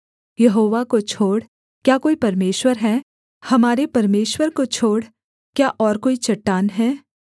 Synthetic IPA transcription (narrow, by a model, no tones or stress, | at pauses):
jɐɦoːʋakot͡ʃʰoːɽ | kjaːkoːipɐɾmeːʃwəɾɦɛː | hɐmaːɾepɐɾmeːʃwəɾkot͡ʃʰoːɽ | kjaʔɔːɾkoːit͡ʃɐʈːaːnɦɛː